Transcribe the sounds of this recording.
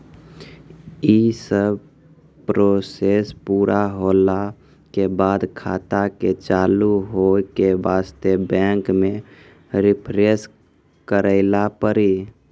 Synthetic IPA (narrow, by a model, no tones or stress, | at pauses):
isəb | pɾosespuːɾʔaɦola | kebad̪kʰa̰t̪aket͡ʃaluɦokebast̪ebɛ̃ŋkme | ɾipʰɾes | kəɾəɪlapəɾi